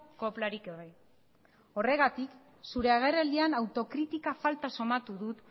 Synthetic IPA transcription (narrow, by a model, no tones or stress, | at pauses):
ko̞plaɾikeβaj | o̞re̞ɣat̪ik | suɾe̞aɣ̞e̞reld̪ianawt̪o̞kɾit̪ikafalt̪aso̞mat̪uðut̪